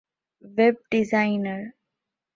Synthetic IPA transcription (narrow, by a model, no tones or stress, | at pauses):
ʋeb̚ɖizaɪnəɾ